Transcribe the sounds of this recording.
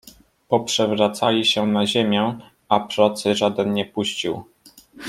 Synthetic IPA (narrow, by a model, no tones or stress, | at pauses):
pɔpʂɛvɾat̪salʲiɕɛnaʑemʲjɛ | apɾɔt̪sɘʐad̪ɛnɲɛpuɕt͡ɕiw